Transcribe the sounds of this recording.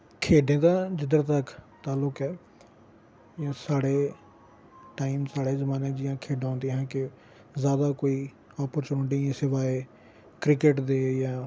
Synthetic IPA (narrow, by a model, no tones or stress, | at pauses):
kʰeːɖẽːd̪aːd͡ʒɪd̪əɾt̪əkt̪aːlʊkɛː | jãːsaːɽeː | ʈaːiːmsaːɽeːzəmaːnẽːd͡ʒɪjãːkʰeːɖãõːnd̪ẽːɦɛ̃ːkɪ | zjaːd̪aːkoːiː | ɔːpəɾt͡ʃuːɖĩsɪʋaːeː | kɾɪkɪʈd̪eːjãː